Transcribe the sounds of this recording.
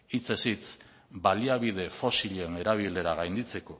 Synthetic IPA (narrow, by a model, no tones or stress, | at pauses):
it͡se̞sit͡s | baliaβið̞e̞fo̞siʎe̞ne̞ɾaβ̞ile̞ɾaɣajnd̪it͡se̞ko̞